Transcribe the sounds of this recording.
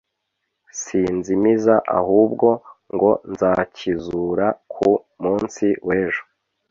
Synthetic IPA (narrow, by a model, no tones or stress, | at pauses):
sinzimizaʔa̰huːb̚ɡo̞ŋɡo̞nzaːcizuːɾakʰu | muːnsiwe̞ːʒo̥